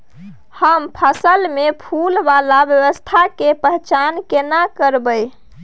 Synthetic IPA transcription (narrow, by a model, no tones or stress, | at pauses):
həmpʰəsəlmepʰulbalabjəβəst̪ʰakepəɦɛt͡ʃankenakəɾbəj